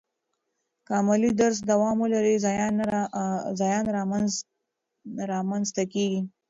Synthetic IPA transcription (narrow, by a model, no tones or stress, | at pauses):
kɑmalid̪aɾs̬d̪awɑmwəlaɾizjn | zɑjɑnɾɑm | ɾɑmanzt̪akeɡi